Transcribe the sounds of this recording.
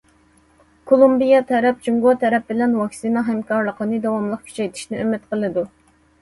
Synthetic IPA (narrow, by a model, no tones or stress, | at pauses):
kʰolˠumbijɑt̪ʰɛɾɛp̚d͡ʒuŋɡuɑt̪ʰɛɾɛp̚bɪlɛnwɑksinɑɦɛmkʰɑɾlˠəqənɨd̪ɑwɑmlˠəq̚kʲʰy̥t͡ʃʰɛjt̪ʰi̥ʃnɪømɪt̪qəlˠɨd̪u